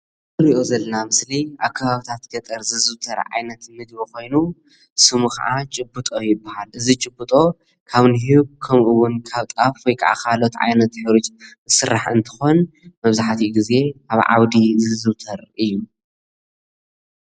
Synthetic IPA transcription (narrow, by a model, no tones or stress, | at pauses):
ɨɾiʔo̞zɐlɐnamɨsliʔaβkʰaβaβit̪ʰat̪ɡ̥ɐt̪ʼɐɾzɨzɨβt̪ʰɐɾʕa̰jnɐt̪mɨd̪βixo̞jnu | sɨmuxa̰ʕat͡ʃʼɨbːɨt̪ʼo̞jɪbːahalʔɨzit͡ʃʼɨbːɨt̪ʼo̞ | kʰaβniɦiβ̚kʰɐmʔuwʊnkʰaβt̪ʼafwojkʼa̰ʕa̰kʰalot̪ʕa̰jnɐt̪ħɨɾut͡ʃʼ | ɨsɨɾːaħɨnt̪ʰɨ̥xo̞nmɐβzaħt̪ʰiɡize̞kaβʕa̰wd̪izɨzɨβt̪ʰɐɾɨjːu